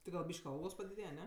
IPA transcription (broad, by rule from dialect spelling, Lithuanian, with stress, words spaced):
tʲɪ ɡɐlˠ ˈbʲiːʃʲkʲ ˈɐlˠɡoːs pɐdʲɪˈdʲeːjɛ ˈnʲɛ